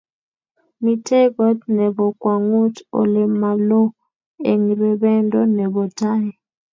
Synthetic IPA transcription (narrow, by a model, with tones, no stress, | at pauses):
mi˦tʰɛ˦kɔ˦tnɛ˨βɔ˨kwa˨ŋu˦tɔ̰˦lɛ˨ma˨lɔ˦ | ḛ˨ŋi˨βɛɓɛ˦ndʱʼɔ˦nɛ˨βɔ˨tʰaː˦jɛ˨